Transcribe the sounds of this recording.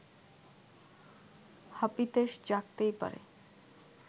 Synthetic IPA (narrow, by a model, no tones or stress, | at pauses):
hapit̪eʃd͡ʑak̚t̪ejpa̰ɾḛ